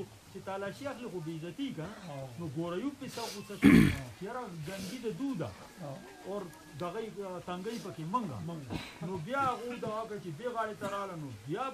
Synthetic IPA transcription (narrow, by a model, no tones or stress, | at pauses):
o | t͡ʃet̪aːlaːʃiɐxlixobezɐt̪ikɐnanoɡoːɾɐjupesaxut͡sɐʃut͡ʃejɐɾaɡɐnd̪id̪ɐd̪uːd̪a̰ | oːɾ | d̪ɐɣɐit̪ɐŋɡɐipɐkemɐŋɡa̰ŋɡnobjaːɣod̪aakat͡ʃebeɣaːɽet̪ɐɾaːlanobjaː